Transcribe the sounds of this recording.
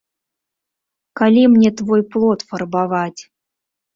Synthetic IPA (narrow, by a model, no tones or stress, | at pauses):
kalʲimnʲet̪vojplˠot̪fɤrbavɑtʲ